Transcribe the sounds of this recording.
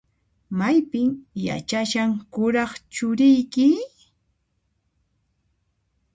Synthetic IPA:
majpɪŋja̰t͡ʃaʃaŋkʊɾɑχt͡ʃʊɾɪjkɪ

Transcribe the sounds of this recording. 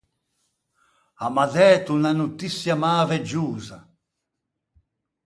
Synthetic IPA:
amaðɛːt̪unanut̪isːjamaːvɛd͡ʒuːza

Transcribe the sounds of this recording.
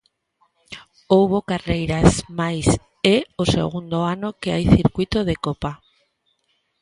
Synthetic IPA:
owβokarejɾasmajs | eosḛɣ̞und̪oanokeajθiɾkwit̪oðekopa

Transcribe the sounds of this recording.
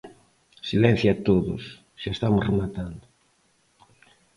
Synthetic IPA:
silɛ̃n̟θjat̪oðʊ̰s | ʃaest̪amʊsremat̪and̪ʊ

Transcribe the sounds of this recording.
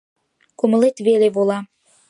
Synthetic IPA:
kuməlet̪βeleβolɑ

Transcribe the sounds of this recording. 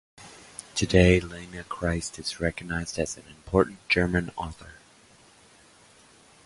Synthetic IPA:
tʰɨdeɪlẽnɨkʰɹ̥aɪstɨzɹɛkɨɡ̚naɪzdɨz̃nɨ̃mpʰɔɹʔn̩d̥ʒ̥ɜ˞mɨ̃nɔθə˞

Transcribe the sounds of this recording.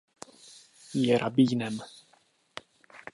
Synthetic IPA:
jɛɾʔabiːnɛm

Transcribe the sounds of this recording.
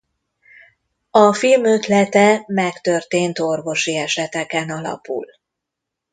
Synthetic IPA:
ɒfilmø̞t̪lɛt̪ɛmɛkt̪ørt̪eːnt̪o̞rvo̞ʃiɛʃɛt̪ɛkɛnɒlɒ̰pṵl

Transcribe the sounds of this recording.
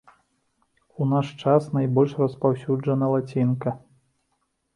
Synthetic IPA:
unaʂt͡ʂasnajbɔlʲʂrɐspawsʲud͡ʐɐnɐlˠat͡sʲinkɐ

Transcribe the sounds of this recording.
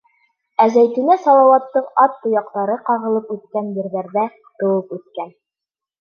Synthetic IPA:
æzæjt̪ɘ̆næsɑlˠɑwɑt̪ːɤqɑt̪ːŏjɑq̚t̪ɑɾɤqɑʁɤ̆lˠɤpʉt̪̚kænjɘ̆ɾðæɾðæ | t̪ɤ̆wɤpʉt̪̚kæn

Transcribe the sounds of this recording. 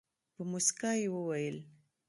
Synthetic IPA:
pəmʊsikajewəwajəl

